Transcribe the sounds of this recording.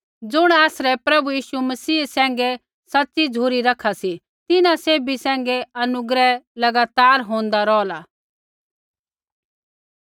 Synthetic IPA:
d͡zʊɽ̃aːsɾɛpɾɐbujiːʃumɐsiːsɛ̃ːŋ̆ɡɛ | sɐtːsid͡zʱuːɾiɾɐkʰːasi | t̪ɪnaseːbisɛ̃ːŋ̆ɡɛɐnʊɡɾɛlɐɡaːt̪aːɾɦõːnd̪aɾɔːlaː

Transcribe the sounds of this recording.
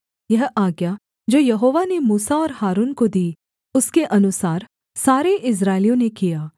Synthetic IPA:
jɐɦaːɡja | d͡ʒoːjɐɦoːʋanemuːsaɔːɾhaːɾuːnkod̪iː | ʊskeʔɐnʊsaːɾ | saːɾeʔɪs̬ɾaːɪlijõnekijaː

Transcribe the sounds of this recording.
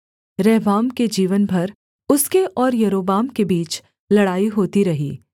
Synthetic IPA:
ɾɛːɦbaːmked͡ʒiːʋənbʱɐɾ | ʊskeʔɔːɾjɐɾoːbaːmkebiːt͡ʃ | lɐɽaːiɦoːt̪iɾɐɦḭː

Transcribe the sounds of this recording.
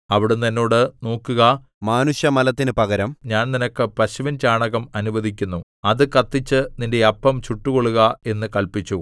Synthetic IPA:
ɐʋiɽunːenːo̞ːɽɨno̞ːkːuɣɐ | maːnuɕjɐmɐlɐt̪ːinɨpɐɣɐɾɐmɲaːnninɐkːɨpɐɕuʋɐnt͡ɕaːɳɐɣɐmɐnuʋɐd̪ikʲːunːu | ɐðɨkɐt̪ːit͡ɕːɨninde̞ɐpːɐmt͡ɕuʈːuɣo̞ɭːuɣɐe̞nːɨkɐɭpit͡ɕːu

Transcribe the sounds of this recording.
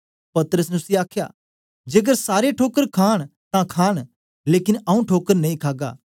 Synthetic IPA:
pɐt̪əɾəs̬nɛʊsiaːkʰja̰ː | d͡ʒeːɡəɾsaːɾeʈʰoːkəɾkʰaːɽ̃t̪ãkʰaːɽ̃ | leːkɪnɐũʈʰoːkəɾnɐĩkʰaːɡa̰ː

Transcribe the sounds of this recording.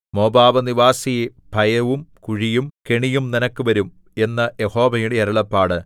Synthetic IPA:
mo̞ːbaːʋɐniʋaːsije | b̥ʱɐjɐʋumkuɻijumkeɳijumninɐkːɨʋɐɾum | e̞nːɐjeho̞ːʋɐjuɽeɐɾɐɭɐpːaːɽɨ

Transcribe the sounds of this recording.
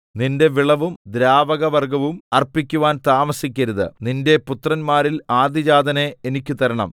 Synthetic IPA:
ninde̞ʋiɭɐʋumd̪ɾaːʋɐɣɐʋɐrɡɐʋumɐrpikʲːuʋaːnt̪aːmɐsikʲːɐɾuðɨ̰ninde̞put̪rɐnmaːɾilaːd̪ʱid͡ʑaːd̪ɐneenikʲːɨt̪ɐɾɐɳɐ̰m

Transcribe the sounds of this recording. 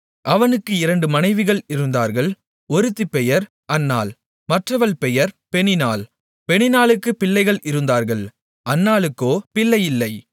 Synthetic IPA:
ʔɐʋɐnɯkːɯɪɾɐɳɖɯmɐnɐɪʋɪɣɐɭɪɾɯnd̪aːɾɣɐɭ | ɔɾɯt̪ːipːɛjɐɾ | ʔɐnːa̰ːl | mɐʈrɐʋɐɭpɛjɐɾpɛɳɪnaːl | pɛɳɪnaːlɯkːɯpɪlːɐɪɣɐɭʔɪɾɯnd̪aːɾɣɐɭ | ʔɐnːaːlɯkːoːpɪlːɐjɪlːɐɪ

